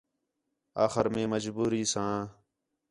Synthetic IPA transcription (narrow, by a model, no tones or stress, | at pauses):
aːxəɾmẽːməd͡ʒbuːɾiːsãː